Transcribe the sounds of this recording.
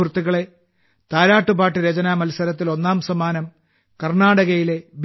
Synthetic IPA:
rt̪ːuɣɐɭe̞ | t̪aːɾaːʈːubaːʈːɨɾed͡ʑɐnaːmɐlsɐɾɐt̪ːilo̞nːaːmsɐmaːnɐm | kɐrɳaːɽɐɣɐjile̞b

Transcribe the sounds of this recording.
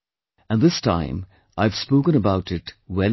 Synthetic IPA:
ɨ̃nðɪstʰã̰ɪ̃m | aɪv̥spoʊkə̃nəbaʊɾɪtwɛl

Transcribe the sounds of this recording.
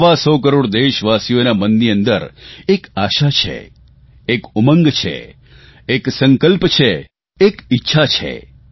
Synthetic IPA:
ʋasɔk̬əɾoɽd̪eʃʋasijonamənd̪iə̃nd̪əɾekaʃat͡ʃʰḛː | kuməŋɡt͡ʃʰḛ | eksəŋkəlpt͡ʃʰe | ekitːʃʰat͡ʃʰḛ

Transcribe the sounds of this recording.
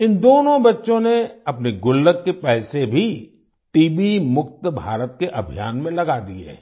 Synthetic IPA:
ɪnd̪oːnõbɐtːʃõneɐpneɡʊlːəkːepɛːsebʱi | ʈiːbimʊk̚t̪bʱa̰ːɾət̪keʔɐbʱijaːnmẽlɐɡad̪iɾ̰ɦi

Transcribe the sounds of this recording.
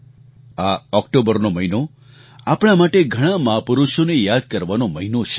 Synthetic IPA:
aɔk̚ʈobəɾnoməɦino | apɽ̃amaʈeɡʱəɽ̃ãməɦapuɾuʃonejad̪̚kəɾʋanoməɦinot͡ʃʰe̥

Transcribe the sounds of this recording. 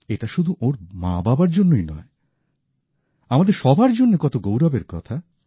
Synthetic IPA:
eʈaʃud̪ʱuʔoɾmã̰babaɾd͡ʑonːoinɔ̰e | amad̪eɾʃɔbʱaɾd͡ʑonːekɔt̪oɡowɾabeɾkɔt̪ʰa

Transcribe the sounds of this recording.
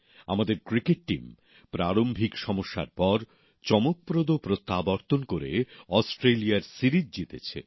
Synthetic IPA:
a̰mad̪eɾkɾikeʈ̚ʈḭm | pɾaɾombʱikʃɔmoʃːa̰ɾpɔɾ | t͡ɕɔmok̚pɾod̪opɾot̪ːabɔɾt̪onkoɾḛɔsʈɾeliaɾsiɾid͡ʑd͡ʑit̪et͡ɕʰḛ

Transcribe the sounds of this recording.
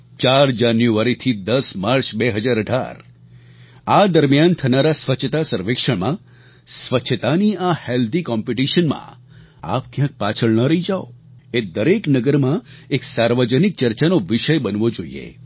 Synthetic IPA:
t͡ʃaɾd͡ʒanjuʋaɾit̪ʰid̪əsmaɾt͡ʃbeɦəd͡ʒaɾəɖʱa̰ɾ | ad̪əɾmjant̪ʰənaɾasʋət͡ʃʰt̪asəɾʋekʂəɽmã | sʋət͡ʃʰət̪aniaheld̪ikɔmpiʈiʃənmã̰ | a̰pkjãk̚pat͡ʃʰəɭnəɾəid͡ʒaoed̪əɾeknəɡəɾmãeksaɾʋəd͡ʒənik̚t͡ʃəɾt͡ʃanoʋɪʃəjbənʋod͡ʒoḭḛ

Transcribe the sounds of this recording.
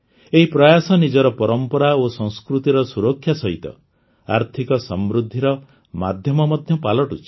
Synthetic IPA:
eɦipɾɔjasɔnid͡ʒɔɾɔpɔɾɔmpɔɾaosɔ̃ŋskɾut̪iɾɔsuɾɔkʰːjasɔɦit̪ɔ̰ | a̰ɾt̪ʰikɔsɔmɾud̪ʱːiɾɔ | mad̪ʱjɔmɔmɔd̪ʱjɔpalɔʈut͡ʃʰi̥

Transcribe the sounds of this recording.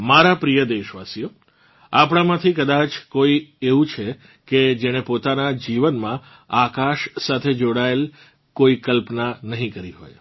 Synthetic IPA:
maɾapɾijəd̪eʃʋasijo | apɽ̃amãt̪ʰikəd̪at͡ʃkoieʋũt͡ʃʰe | ked͡ʒeɽ̃epot̪anad͡ʒiʋənmã | akaʃsat̪ʰed͡ʒoɽael | koikəlpnanəɦĩkəɾiɦo̰j

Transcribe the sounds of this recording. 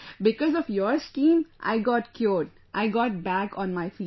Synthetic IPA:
bɪkɔzɔfjɔɾskĩːmʔa̰ɪɡɔːʈkʰjuːɖ | ʔaɪɡɔːʈ̚bækɔ̃ːnmaɪfiː

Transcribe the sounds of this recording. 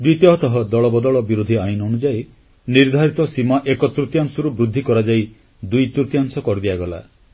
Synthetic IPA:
d̪wit̪jɔɦɔt̪ɔɦɔd̪ɔɭɔbɔd̪ɔɭɔbiɾud̪ʱiajnonud͡ʒaj | niɾd̪ʱaɾit̪ɔsimaʔekɔt̪ɾut̪jaŋsɔɾubɾud̪ʱːikɔɾad͡ʒaj | d̪ujt̪ɾut̪jaŋsɔkɔɾd̪iaɡɔla̰

